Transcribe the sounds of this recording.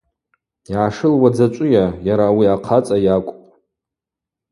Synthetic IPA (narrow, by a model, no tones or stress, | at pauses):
jaːʂɨlwad͡zat͡ʃʷʼʊjajaɾaːwiaqʰat͡sʼajakʷʼpʼ